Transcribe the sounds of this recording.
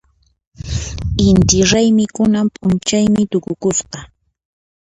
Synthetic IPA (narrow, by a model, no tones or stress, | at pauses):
ɪnt̪ɪɾajmɪkʊnampʼʊnt͡ʃajmɪt̪ʊkʊkʊsɢɑ